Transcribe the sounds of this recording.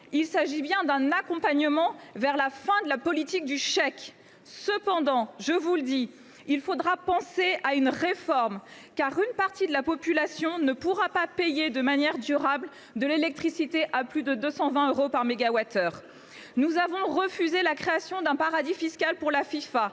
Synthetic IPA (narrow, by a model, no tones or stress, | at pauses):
ilsaʒibjɛ̃d̪ɛ̃nakɔ̃paɲəmɑ̃vɛʁlafɛ̃d̪əlapɔlit̪ik̚d̪yʃɛk | səpɑ̃d̪ɑ̃ʒəvuləd̪i | ilfod̪ʁapɑ̃seaynʁefɔʁm | kaʁynpaʁt̪id̪əlapɔpylasjɔ̃nəpuʁapapejed̪əmanjɛʁd̪yʁabl | d̪əlelɛk̚t̪χisit̪eʔaplyd̪əd̪øsɑ̃vɛ̃øʁopaʁmeɡawat̪ʰœːʁ | nuzavɔ̃ʁəfyzelakχeasjɔ̃d̪ɛ̃paʁad̪ifiskalpuʁlafifa